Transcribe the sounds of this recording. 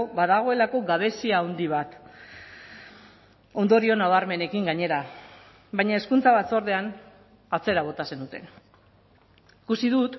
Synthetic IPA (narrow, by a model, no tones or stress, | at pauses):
baðaɣ̞o̞e̞lako̞ɡaβ̞e̞siaːwnd̪iβat̪ | o̞nd̪o̞ɾio̞naβaɾme̞ne̞kiŋɡaɲe̞ɾa | bajɲae̞skunt͡saβat͡so̞ɾðe̞an | at͡se̞ɾaβ̞o̞t̪ase̞nut̪e̞̰n | ikusiðut̪